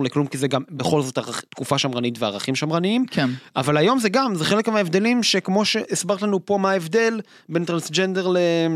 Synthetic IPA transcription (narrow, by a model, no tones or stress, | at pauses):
leklumkizeɡambeχo̞lzo̞taʁt̪kufaʃamʁanitvea̰ʁaχimʃamʁaniimkea̰valajo̞mzeɡamzeχe̞lekmeaevd̪e̞limʃe̞kmo̞ʃe̞ʔesbaʁtlanupo̞maevd̪e̞l | be̞nt̪ʁansd͡ʒendeʁle